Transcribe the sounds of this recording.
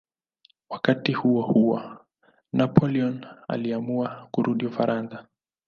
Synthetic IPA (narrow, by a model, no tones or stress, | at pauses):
wakatihuɔhuwɔ | nʔapɔliɔna̰liamuakuɾʔuɗiufaɾʔanða